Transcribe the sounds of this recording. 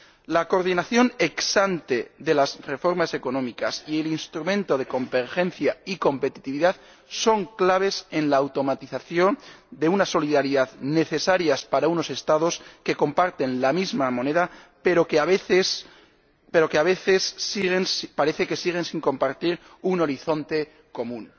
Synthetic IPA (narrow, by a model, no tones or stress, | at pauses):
lako̞ɾð̞inaθjo̞ne̞ksant̪e̞ðe̞lazre̞fo̞ɾmase̞ko̞nõ̞mikasie̞linst̪ɾumẽnt̪o̞ð̞e̞ko̞mbe̞ɾe̞nθjaiko̞mpe̞t̪i̥t̪iβiðað | so̞ŋklaβ̞e̞se̞nlaːwt̪o̞mat̪iθaθjo̞nd̪e̞unaso̞liðaɾiðaðne̞θe̞saɾjaspaɾauno̞se̞st̪aðo̞ske̞ko̞mpaɾt̪e̞nlamizmamõ̞ne̞ðapeɾo̞keaβeθes | pe̞ɾo̞keaβe̞θe̞siɣe̞nspaɾe̞θe̞ke̞siɣ̞e̞nsiŋko̞mpaɾt̪iɾ | uno̞ɾiθo̞nt̪e̞ | ko̞mũn